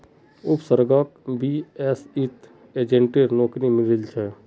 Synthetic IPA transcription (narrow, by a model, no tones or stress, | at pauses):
ʊpsəɾɡakbiɛsit̪ | eːd͡ʒẽɳʈeɾnoːknimɪɾɪlt͡ʃʰɛː